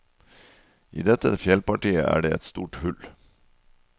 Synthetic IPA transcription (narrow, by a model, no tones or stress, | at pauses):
ʔḭːd̪ɛt̪əfjɛlpɑʈiːə̰ʔæ̰ːɖeːɛt̪st̪uːʈhʉl